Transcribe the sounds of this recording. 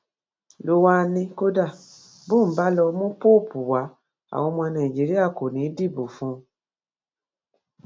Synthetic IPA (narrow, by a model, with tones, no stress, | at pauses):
lo˧wa˦˧nĩ˧ko˦da˦˨ | bo˦˨m̩˨˦ba˦lɔ˧mũ˦po˦˨pʰu˨wa˨˦ | a̰˨w̃ɔ̃˧mɔ̃˧nã˨ĩ˨d͡ʒi˨˦ɾi˦a˦˨ko˨nĩ˨˦di˦˨bo˨fũ˦